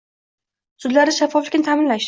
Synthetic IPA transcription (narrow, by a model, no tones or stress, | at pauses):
sʊd̪laɾɪʃafːɒflɪkʲnɪt̪ʰamɪnlaʃ